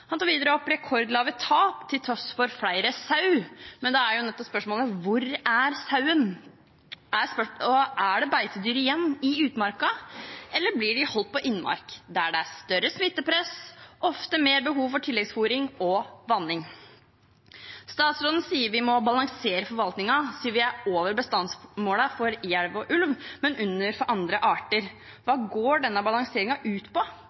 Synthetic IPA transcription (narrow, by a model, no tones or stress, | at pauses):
hɑnt̪ɑːɾʋiːd̪əɾəɔpːɾɛkʰɔɾd̪lɑːʋət̪ʰɑːpt̪ʰɪlt̪ʰɾɔsfɔɾfɽæɪɾəsɑʉmɛnd̪ɛæɾjʊnɛt̪ːɔpspœʂmoːləʋʊɾæɾsɑʉən | æsɔʔæɖɛbæɪt̪əd̪yːɾəɪjɛnːɪʉːt̪mɑɾkɑʔɛlːəɾblɪɖɪhɔlt̪̚pɔʔɪnːmɑ̰ɾkd̪ææɖɛæst̪œɾəsmɪt̪ːəpʰɾɛsʔɔft̪əmeːɾbəɦuːʋfɔʈʰɪlːɛɡsfuːɾɪŋɔʋɑnːɪŋ | st̪ɑːt̪sɾoːd̪n̩siːəɾʋɪmɔbɑlɑŋseːɾəfɔɾʋɑlt̪nɪŋɑsiːʋɪæoːʋəɾbəst̪ɑnsmoːləfɔɾjæɽʋɔʔʉlʋmɛnʔʉnːəɾfɔɾʔɑnd̪ɾəʔɑːʈəɾ | ʋɑːɡoːɖɛnːəbɑlɑŋseːɾɪŋɑʔʉːt̪pɔ